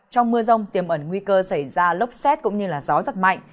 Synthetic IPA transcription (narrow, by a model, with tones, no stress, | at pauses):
t͡ɕɔ˧wŋ͡mmɨ˧əzə˧wŋ͡mt̪i˨˩əmʔə˧˩nŋwi˧kəː˧sa˧˩jzaː˧lə˦˥wp̚sɛ˦˥t̚kʊ̰˧˥ŋ͡mɲɨ˧laː˨˩zɔ˨˦zə˦˥t̚ma̰˧˨jŋ